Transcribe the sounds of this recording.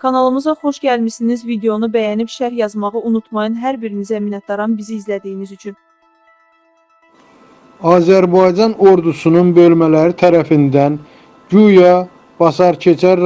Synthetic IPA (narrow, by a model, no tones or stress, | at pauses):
kʰɑnɑlˠɯmɯzɑχo̞ʃɟælmisinizvid̪e̞o̞nubæjænipʃæɾjɑzmɑʁɯʔunut̪ʰmɑjɯnɦæɾbiɾinizæminɑt̪̚d̪ɑɾɑnbiziːzlæd̪ijːnizyt͡ʃʰyn | ɑːzæɾbɑjd͡ʒɑno̞ɾd̪usununbø̞lmælæɾit̪ʰæɾæfind̪æn | ɟujɑ | b̥ɑsɑɾcʰe̞t͡ʃʰæɾ